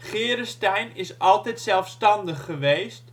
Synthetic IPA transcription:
χɪːɾəstɛjnɪsɑlˠtɛjtsɛlˠfstɑndəχːəʋejst

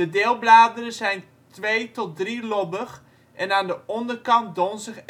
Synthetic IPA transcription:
ədɪːlˠblaːdərəzɛjn | tʋeːtɔt̚drilɔbəχ | ʔɛnaːndəʔɔndərkɑnt̚donzɪχ

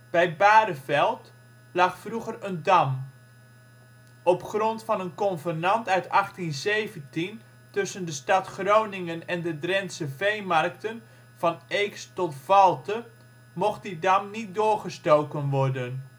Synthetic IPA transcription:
b̥ɛjt̚baːdəvɛlˠt | lɑχfruχərəndɑm | ɔpχrɔntfɑnənkɔnvərnɑntœɥtɑχtinzejvəntin | tɵsəndəstɑtχrownɪŋənɛndədrɛnsəvejmɑrk̚tən | v̥ɑnejkstɔtvɑlˠtə | mɔχt̚didɑmnit̚dʊːrχəstowkənʋɔrdən

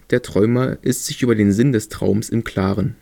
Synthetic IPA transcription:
d̥eːɐtʁ̥ɔʏmɐʔɪstz̥ɪçʔyːbɐdeːnzɪndɛstʁ̥a̰ʊmsɪmkʰl̥aːʁən

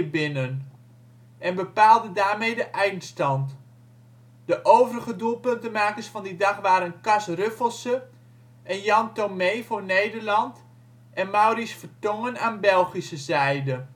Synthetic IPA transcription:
əbɪnən | ʔɛnbəpaːlˠdədaːɹmejdəʔɛjnstɑnt | dəʔowvərəɣədulˠpɵntənmaːkəɹsfɑndidɑχʋaːɾənkɑsrøfəlˠsə | ɛnjɑntomejvoːɹnejdəɹlɑnt | ɛnmawrisfəɹtɔŋənaːnbɛlˠχisəzɛjdə

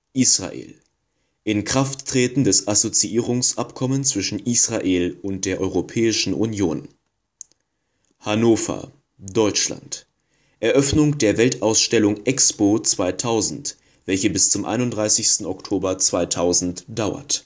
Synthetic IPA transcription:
ʔiːsʁa̰ʔḛːl | ʔɪnkʁ̥aftːʁ̥eːtn̩dɛsʔazot͡siʔiːʁ̞ʊŋsʔapkʰɔmənt͡sv̥ɪʃn̩ʔiːsʁ̥aʔeːlʊnt̚d̥eːɐʔɔʏʁopʰɛːɪʃn̩ʔunjoːn | hanoːfɐ̰ | d̥ɔʏt͡ʃla̰nt | ʔɛɐʔœfnʊŋd̥eːɐvɛltaʊsʃtɛlʊŋʔɛkspot͡sv̥aɪtʰaʊzn̩t | v̥ɛlçəbɪst͡sʊmʔa̰ɪnʊntdʁaɪsɪçstn̩ɔktʰoːbɐt͡sv̥aɪtʰaʊzn̩td̥aʊɐ̰t

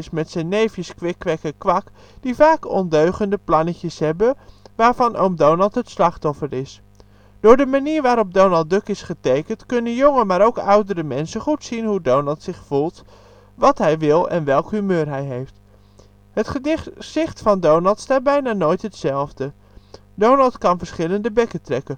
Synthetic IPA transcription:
ɪsmɛtsɛjnːejfjəskʋɪkʋɛkəkʋɑk | d̥ivaːkɔndøɥχəndəplɑnəcəsɦɛbəʋaːɹvɑnʔomdownɑlˠtɦətslɑχtɔfəɹɪs | d̥ʊːɹdəmaniːɹʋaːɾɔp̚downɑlˠd̚ɵkɪsχətejkəntkɵnənjɔŋəmaːɾowkʌwdəɾəmɛnsəχutsinɦudownɑlˠtsɪχfulˠt | ʋɑtɦɛjʋɪlˠɛ̰nʋɛlˠkɦymøːɹɦɛjɦejft | ɦətχədɪsɪχtfɑndownɑlˠtstaːt̚bɛjnaːnojtɦətsɛlˠvdə | downɑlˠtkɑnvəɹsχɪləndəbɛkətrɛkən

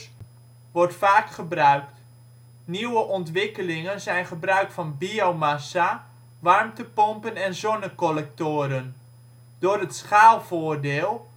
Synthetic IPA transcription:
ʋɔrtfaːkχəbrœɥkt | niwəʔɔntʋɪkəlɪŋənzɛjnχəbrœɥkfɑnbiowmasa | ʋɑrmtəpɔmpənɛnzɔnəkɔlɛk̚toːɾən | d̥oːrətsχaːlˠvoːrdɪːlˠ

